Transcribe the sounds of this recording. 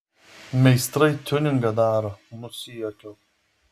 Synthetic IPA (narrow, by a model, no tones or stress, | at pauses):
mʲɛɪst̪ɾɐɪt̪ʲʊnʲɪŋɡɐd̪ɑːɾoːnʊsʲɪjokʲoː